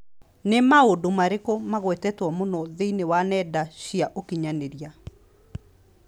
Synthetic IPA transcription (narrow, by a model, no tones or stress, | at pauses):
nemaodomaɾekɔmaɣwɛtɛtwɔmonɔðeinewanɛdaɕiaʔokiɲaneɾia